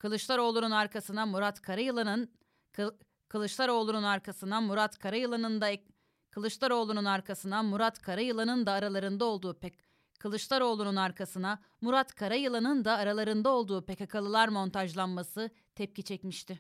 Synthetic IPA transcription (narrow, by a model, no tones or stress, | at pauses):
kʰɯlˠɯʃlˠaɾo̞lˠununaɾkʰasɯnamuɾat̪kʰaɾajɯlˠanɯn | kʰɯlˠɯʃlˠaɾo̞ːlˠununaɾkʰasɯnamuɾat̪kʰaɾajɯlˠanɯnd̪a | kʰɯlˠɯʃlˠaɾo̞ːlˠununaɾkʰasɯnamuɾat̪kʰaɾajɯlˠanɯnd̪aːɾalˠaɾɯnd̪ao̞lˠd̪uːp | kʰɯlˠɯʃlˠaɾo̞ːlˠununaɾkʰasɯna | muɾat̪kʰaɾajɯlˠanɯnd̪aːɾalˠaɾɯnd̪ao̞lˠd̪uːpʰekakʰalˠɯlˠaɾmo̞nt̪ʰaʒlˠanmasɯ | t̪ʰɛp̚cʰit͡ʃʰɛcmiʃt̪ɪ